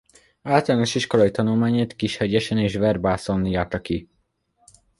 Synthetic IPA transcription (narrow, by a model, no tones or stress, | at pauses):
aːlt̪ɒlaːno̞ʃiʃko̞ɾɒit̪ɒnulmaːɲeːt̪kiʃhɛɟɛʃɛneːʃvɛrbaːsonːijaːt̪ɒki